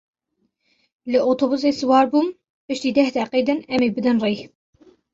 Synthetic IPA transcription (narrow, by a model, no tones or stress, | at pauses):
lɨʔot̪ʰobuseːsɨwɑːɾbuːm | pɨʃt̪iːd̪ɛhd̪ɛqeːd̪ɨnɛmeːbɨd̪ɨnrej